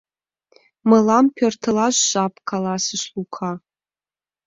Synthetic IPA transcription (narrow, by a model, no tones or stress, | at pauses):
malampʰʲɛrtʰɨlaʒʷɕʼapʰʼkʰalasɨʃlukʷʰa